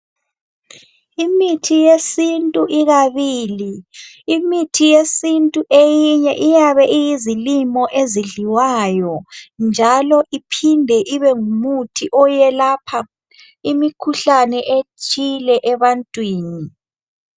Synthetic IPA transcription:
imitʰijesintʼuʔiɣaβiːli | imitʰijesintʼuʔejiɲɛʔijaβɛʔijizilimɔʔeziɮiwajɔnd͡ʒʱalɔʔipʰindʱɛʔiβɛŋumutʰiʔɔjɛlapʰa | imikʰuɬanɛʔet͡ʃʼilɛʔɛβantʼwiːni

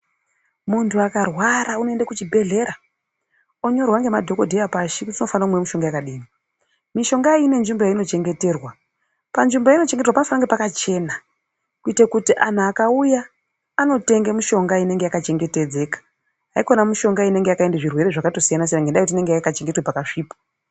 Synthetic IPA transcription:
muntʰuakarwaɾauno̞endakut͡ʃibʱe̞ɮe̞ɾa | o̞ɲo̞rwaŋɡe̞madʱo̞ko̞dʱejapaʃikuttino̞fanakumwemuʃo̞ŋɡajakaɗiːmi | miʃo̞ŋɡaine̞nʐimbojaino̞t͡ʃe̞ŋɡe̞te̞ːrwa | panʐimbojaino̞t͡ʃe̞ŋɡeterwapanofanaŋɡepakat͡ʃe̞ːna | kuitekutiʔan̤uakaujaː | no̞te̞ŋɡemuʃo̞ŋɡaine̞ŋɡe̞jakat͡ʃe̞ŋɡe̞te̞d͡ze̞kḁ | ɦaikonamuʃo̞ŋɡaine̞ŋɡejakaendeʐirwe̞ɾeʐakato̞sijanasenaŋɡendajikutine̞ŋɡejakat͡ʃe̞ŋɡe̞twepakaʂiːpḁ

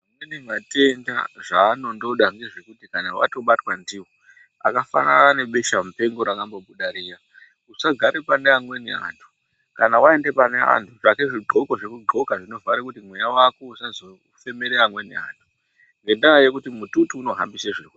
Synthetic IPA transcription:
imwenemate̞nda̰ʐaːno̞ndo̞ɗaŋɡe̞ʐekutikanawa̰to̞ɓatwandiwo | a̰kafa̰na̰ne̞ɓeʃamupe̞ŋɡo̞ɾakamboɓuɗaɾiːja | usaɡʱaɾepaneamwe̞nḛa̰ːntʰu̥ | kanawae̞nde̞panea̰ntʰuʐake̞ʐiɡ͡ǃʱo̞ko̞ʐekuɡ͡ǃʱo̞kaʐino̞vʱaɾekutimwe̞jawako̞usazo | fe̞me̞ɾeamwe̞nḛa̰ːntʰu̥ | ŋɡe̞ndaajekutimututuːno̞ɦa̰mbiseʐiwe

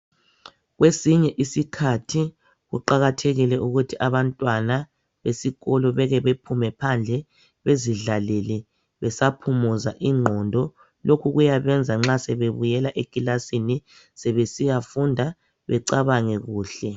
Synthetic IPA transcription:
ɣwʔesiɲɛʔisikʰatʰi | ɣṵǃaɣatʰeɣilɛʔuɣutʰiʔaβantʼwana | βesiɣɔlɔβɛɣɛβepʰumɛpʰand͡ɮʱɛ | βeziɮalɛlɛ | βɛsapʰumuzaʔiŋ͡ǃʱɔndʱɔ | lokʰuɣujaβɛnd͡zʱaŋ͡ǁasɛβeβujɛlaʔekʼilasini | sɛβesijafundʱa | βɛ̰ǀaβaŋɛɣuːɬɛ

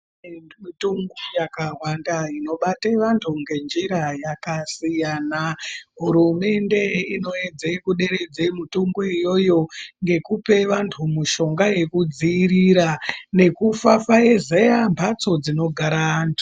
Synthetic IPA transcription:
mituŋɡujakaɦwandaino̞ɓateʋantʰuŋɡe̞nd͡ʒiɾajakasijanaɦuɾume̞nde̞ino̞e̞d͡zekuɗe̞ɾe̞d͡ze̞mutuŋɡuijo̞jo̞ŋɡe̞kupe̞ʋantʰumuʃo̞ŋɡaje̞kud͡ziːriɾane̞kufafaezejambʱat͡so̞d͡zino̞ɡʱaɾaantʰu̥

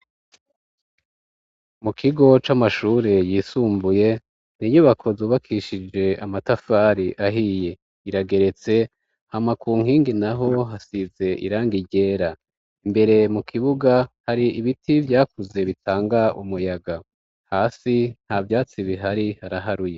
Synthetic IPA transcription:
mukʰiɡo̞t͡ʃamaʃuːɾe̞jiːsuːmbuje̞ | n̥iɲuβakʰo̞zuːβakʰiʃid͡ʒe̞amatafaːɾiʔaɦije̞ | iɾaɡe̞ɾe̞t͡se̞ | hamakʰuːŋhiːŋɡinaɦo̞ɦasize̞ʔḭɾaːŋɡiɟe̞ːɾa | imbe̞ɾe̞mukʰiβuɡahaɾiiβitʰivjaːkuze̞βitʰaːŋɡaumujaɡa | haːsin̥havjaːt͡siβiɦaɾihaɾaɦaɾuje̞

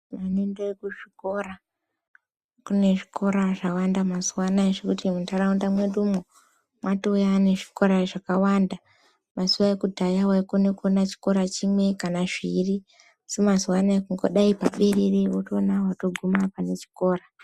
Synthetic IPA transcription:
manendoekuʐiko̞ra | kune̞ʐikʰo̞ɾaʐawandamazuwanaeʐekutimuntaraundamwe̞ndumo | mwatoujaːne̞ʐi̥ko̞ɾaʐakawanda | masuwaekudʱajawaikone̞kuonat͡ʃi̥ko̞ɾat͡ʃimwe̞kanaʐiri | usimazuwanaekuŋɡo̰ɗaipaɓeɾereotonawato̞ɡʱumapane̞t͡ʃi̥ko̞ːra

